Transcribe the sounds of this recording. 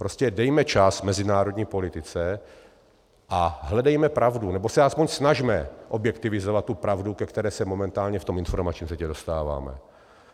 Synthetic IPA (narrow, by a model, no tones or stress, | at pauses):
pɾoscɛdɛjmɛt͡ʃasmɛzɪnaːɾodɲiːpo̞lɪt̪ɪt͡sɛ | ʔaɦlɛdɛjmɛpɾʔavdunɛbosɛaspoɲsnaʒmɛʔobjɛkt̪ɪvɪzovat̪̚ːupɾavdukɛkt̪ɛɾɛːsɛmo̞mɛnt̪aːlɲɛft̪omɪnfoɾmat͡ʃɲiːmsɛcɛdo̞st̪aːva̰ːmɛ̰